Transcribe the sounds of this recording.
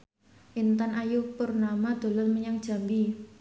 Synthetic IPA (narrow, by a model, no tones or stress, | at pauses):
ʔint̪anajupərnamad̪̥o̤lɔlməɲaŋd̥ʒ̥a̤mbi